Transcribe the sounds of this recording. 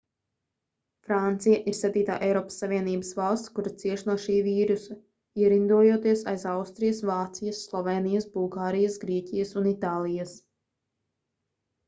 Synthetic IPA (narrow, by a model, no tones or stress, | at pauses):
fɾant̪sijaʔiɾsɛt̪iːt̪a̰ːʔɛjɾɔːpə̥sːavʲiɛniːbəsvalˠst̪kuɾat̪siɛʃnuɔʃiːviːɾusɐ | iɛɾind̪uɔjot̪iɛsajsawst̪ɾijɐsvaːt̪sijɐsːlˠɔvɛːnijɐsbulˠɡaːɾijɐsɡɾiɛcijɐsunit̪aːlˠijɐs